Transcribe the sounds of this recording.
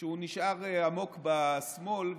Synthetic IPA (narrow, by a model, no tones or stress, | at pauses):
euniʃʔaʁeamo̞kbasmo̞lv